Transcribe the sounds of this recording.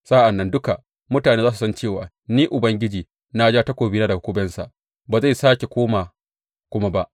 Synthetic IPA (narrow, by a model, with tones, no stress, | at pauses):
saː˦ʔa˨nːɐ˦ndʊ˦ka˨ | mʊ˦taː˨neː˦zaː˦s̬u˨sɐ˦nt͡ʃeː˦˨waː˨ | niː˦ʔʊ˨bɐ˦ŋɡʲɪ˦d͡ʒiː˨ | na˦d͡ʒaː˦ta˦kʷoː˨bi˦naː˦da˨kʷʊː˦bɛ˦nsa˨ʔ | baː˨za˦˨jsaː˦kʲe˨kʷoː˦ma˨ | kʷʊ˦ma˦ba˦ʔ